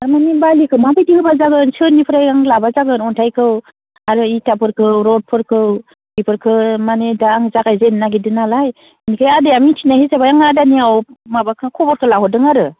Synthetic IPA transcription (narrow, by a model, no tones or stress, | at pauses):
aɾmanibalikʰɯwmabajdihɯbazaɡɯnsɯnːipʰɯɾajaŋlabazaɡɯnɔntʰajkʰɯw | aɾɯitapʰɯɾkʰɯwɾɔt̚pʰɯɾkʰɯw | ipʰɯɾkʰɯmanedaŋzaɡajzenːaɡidɯnalaj | nikʰɯjadeamitʰinahisabajaŋadaniawmabakʰɯkʰɔbɔɾkʰɯlaɦɔdɯŋaɾɯ